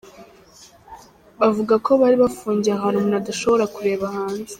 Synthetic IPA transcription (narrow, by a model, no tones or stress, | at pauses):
βavuɡako̞βaɾiβafuːɲɟiaɦanomunaduʃo̞βo̞ɾakuɾe̞ːβahaːnze̥